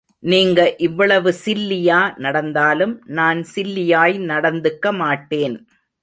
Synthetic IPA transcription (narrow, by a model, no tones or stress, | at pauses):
niːŋɡɐʔɪʋːɐɭɐʋɯsɪlːɪjaːnɐɽɐnd̪aːlɯmnaːnsɪlːɪjaːjnɐɽɐnd̪ɯkːɐmaːʈːeːn